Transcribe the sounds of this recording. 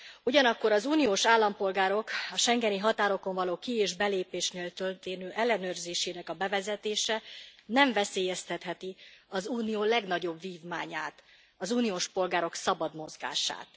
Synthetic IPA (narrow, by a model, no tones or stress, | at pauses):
uɟɒnɒkːo̞ɾɒzuːnijoːʃaːlːɒmpo̞lɡaːɾo̞kɒʃɛŋɡɛniɦɒt̪aːɾo̞ko̞ɱvɒloːkieːʒbɛleːpeːʃneːlt̪ølt̪eːnøːʔɛlːɛnøːrzeːʃeːnɛkɒbɛvɛzɛt̪eːʃɛnɛɱvɛseːjɛst̪ɛt̪hɛt̪iɒzuːnioːlɛɡnɒɟo̞bviːvmaːɲaːt̪ | ɒzuːnijoːʃpo̞lɡaːɾo̞ksɒbɒd̪mo̞zɡa̰ːʃa̰ːt̪